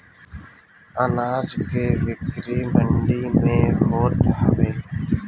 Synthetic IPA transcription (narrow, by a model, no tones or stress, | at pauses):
ənaːzkeːʋɪkɾiːməɳɖiːmẽːɦoːt̪ɦə̰ʋeː